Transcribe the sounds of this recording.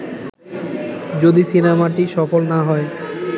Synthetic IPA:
d͡ʑod̪isinemaʈiʃɔfolnaɦɔe

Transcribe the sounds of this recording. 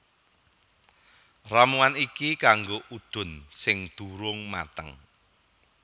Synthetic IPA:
ramuanikikaŋɡoʔud̪̥ʊ̤nsɪŋd̪̥uɾʊŋma̰t̪əŋ

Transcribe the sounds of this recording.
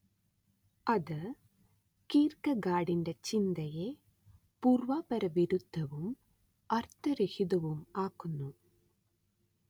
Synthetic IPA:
ɐðɨ | kiːrkɐɡaːɽindet͡ɕind̪ɐje | puːrʋaːpɐɾɐʋiɾud̪ʱːɐʋum | ɐrt̪ɐɾehiðɐʋumaːkːunːu

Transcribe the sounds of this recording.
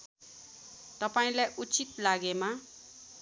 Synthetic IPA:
t̪ʌpaĩlajʔut͡sit̪laɡema

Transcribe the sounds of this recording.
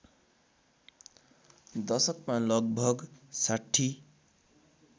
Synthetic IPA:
d̪ʌsʌkmalʌɡ̚bʱʌɡsaʈʰːi

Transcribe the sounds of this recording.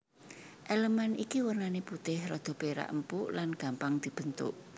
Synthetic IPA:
ʔeləmanikiwərnaneput̪ɪhrɔd̪̥ɔ̤beɾa̰ʔəmpuʔlanɡ̥a̤mpaŋd̪̥i̤b̥ə̤nt̪ʊ̰ʔ

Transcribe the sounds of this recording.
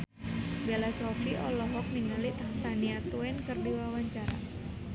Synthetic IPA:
belasɔfiʔɔlɔɦɔk̚niŋalit̪ahsaniat̪uɛnkɨrdiwawaɲt͡ʃaɾa̰

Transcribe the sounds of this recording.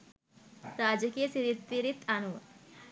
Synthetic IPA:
ɾaːd͡ʒəkijəsiɾit̪ːiɾit̪anuʋ

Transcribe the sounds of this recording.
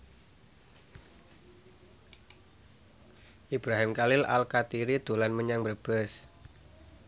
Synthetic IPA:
ʔib̥ɾaɦɪmkalɪla̰lkat̪iɾid̪̥o̤lanməɲaŋbərb̥əs

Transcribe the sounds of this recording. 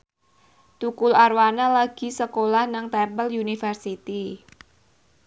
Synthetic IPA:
t̪ukʊlarwanalaɡ̥i̤səkolahnaŋt̪ɛmpəljunifərsit̪i

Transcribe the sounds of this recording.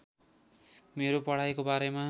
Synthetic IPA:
meɾopʌɽ̤ajkobaɾema

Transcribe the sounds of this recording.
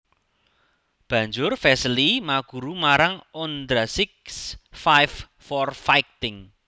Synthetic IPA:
b̥ä̤ɲd͡ʒʊrfɛslimaɡ̥ṳɾumaɾaŋɔnd̪ɾasɪksfajf | fɔrfajkt̪ɪŋ

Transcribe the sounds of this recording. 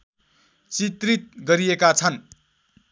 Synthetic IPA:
t͡sit̪rit̪̚ɡʌɾiekat͡sʰʌn

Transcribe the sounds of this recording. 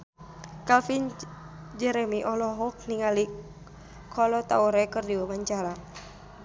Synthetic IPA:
kalfin | d͡ʒɛɾɛmiʔɔlɔɦɔk̚niŋali | kʰɔlɔt̪auɾɛkɨrdiwamaɲt͡ʃaɾa

